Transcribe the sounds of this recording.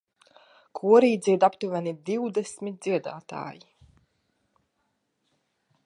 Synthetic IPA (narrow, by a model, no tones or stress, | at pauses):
kʰuɔɾiːd̪ziɛd̪apt̪uvʲanid̪iwd̪esmʲit̪̚d̪z̥iɛd̪a̰ːt̪a̰ːji